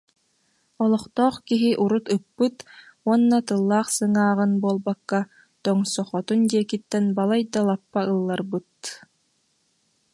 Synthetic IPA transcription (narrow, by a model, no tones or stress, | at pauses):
ɔlˠɔχt̪ɔːχkiɦiʔuɾut̪ɯpːɯt̪ | uɔnːat̪ɯlˠːaːχsɯŋaːʁɯnbuɔlˠbakːa | t̪ɔŋsɔχɔt̪und̪iɛkit̪ːɛnbalˠajd̪alˠapːaɯlˠːaɾbɯt̪̚